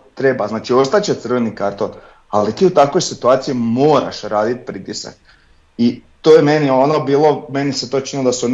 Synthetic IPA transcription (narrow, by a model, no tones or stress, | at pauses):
t̪ɾe̞baznaːt͡ʃio̞st̪at͡ɕet̪sr̩ʋenikaɾt̪on | alit̪iːut̪akʋo̞jsit̪uaːt̪sijimo̞ːɾa̰ʃɾaːd̪it̪̚pɾit̪isa̰k̚ | it̪ojemenionobiːlˠo̞meniset̪o̞t͡ʃnnilod̪asun